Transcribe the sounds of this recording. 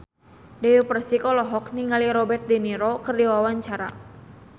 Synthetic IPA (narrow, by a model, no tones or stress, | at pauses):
dɛəpərsikɔlɔɦɔk̚niŋaliɾɔbɛrt̪̚diniɾɔkərdiwawaɲt͡ʃaɾa̰